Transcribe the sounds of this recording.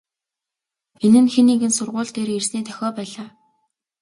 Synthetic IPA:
enɘ̆nxeniːɡɘ̆nsʊrʁʊːɮt̪eːɾersniːt̪ʰœ̥xʲɔːpæːɮaː

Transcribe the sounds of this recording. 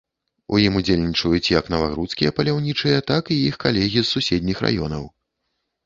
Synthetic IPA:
ṵjimud͡zʲelʲnʲit͡ʂɐjut͡sʲjɐknɐvaɣɾut̪skʲijɐpɐlʲawnʲit͡ʂɨjɐt̪akijixkalʲɛɣʲisːusʲɛd̪ʲnʲixra̰jɔ̰nɐ̰w

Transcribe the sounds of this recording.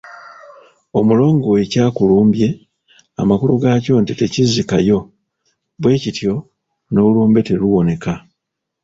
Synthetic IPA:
o̞mulo̞ːŋɡo̞we̞caːkuluːmbje̞ | a̰makuluɡaːco̞ntite̞cizikajo̞ | βwe̞ːcitjo̞ | no̞uluːmbe̞te̞ɾuwo̞ne̞ka

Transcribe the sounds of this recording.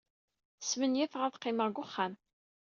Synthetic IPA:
smənjæθʁaθqːɪməʁɡʊχːam

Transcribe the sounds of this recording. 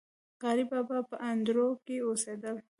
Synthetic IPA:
ɣaɾibabapəʔand̪ɾokeosed̪əl

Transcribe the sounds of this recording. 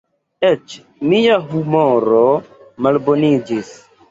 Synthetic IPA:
et͡ʃ | miaɦumoɾomalbonid͡ʒis

